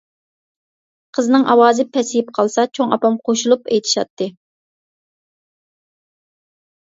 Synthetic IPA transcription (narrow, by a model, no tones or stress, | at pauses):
qʰəznɨŋʔɑ̰wɑːzɨpʰɛsɪjp̚qʰɑlˠsɑt͡ʃʰoŋɑ̰pɑmqʰoʃulˠupejt̪ʰɪ̥ʃɑ̰t̪ʰːɨ